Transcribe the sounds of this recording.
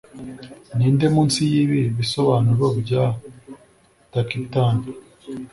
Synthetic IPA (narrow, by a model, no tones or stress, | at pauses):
niːnde̞muːnsijiːβiβiso̞βaːnuɾobɟa | takitaːn